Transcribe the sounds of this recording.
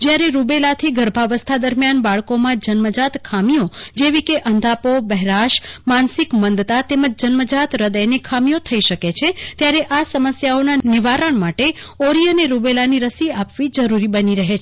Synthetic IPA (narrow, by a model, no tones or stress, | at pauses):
d͡ʒjaɾeɾubelat̪ʰiɡʱəɾbʱaʋəst̪ʰad̪əɾmjanbaɭkomãd͡ʒənməd͡ʒat̪kʰamijod͡ʒeʋikeʔənd̪ʱapobɛɦɾaʃmansɪkmənd̪t̪at̪eməd͡ʒd͡ʒənməd͡ʒat̪ɾəd̪əjnekʰamijot̪ʰəiʃəket͡ʃʰet̪jaɾeʔasəməsjaonanɪʋaɾəɳmaʈe | oɾijəneɾubelaniɾəsiapʋid͡ʒəɾuɾibəniɾəɦet͡ʃʰ